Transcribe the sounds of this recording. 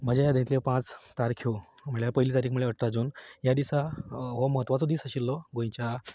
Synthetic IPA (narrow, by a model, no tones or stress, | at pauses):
m̤ad͡ʑajad̪ẽt̪ljepãt͡st̪aɾkʰo | m̤əɳjapəjliːt̪aɾiːkʰmuɭeəʈɾad͡zunjad̪isaɦoməɦət̪ʋat͡sɔd̪iːsaɕilːɔɡõj̃t͡ɕja